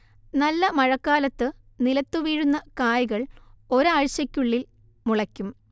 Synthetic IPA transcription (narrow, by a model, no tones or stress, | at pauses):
nɐlːɐmɐɻɐkːaːlɐt̪ːɨ | nilɐt̪ːuʋiːɻunːɐkaːjiɣɐɭo̞ɾaɻɕɐkʲːuɭːil | muɭɐkʲːum